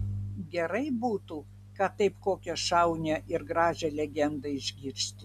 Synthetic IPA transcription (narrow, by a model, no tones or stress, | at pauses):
ɡʲɛɾɐɪbuːt̪uː | kɑt̪ɐɪpkoːkʲɛʃɐʊnʲɛʔɪɾɡɾɑːʒʲɛlʲɛɡʲɛnd̪ɐɪʒʲɡʲiːɾʲsʲt̪ʲɪ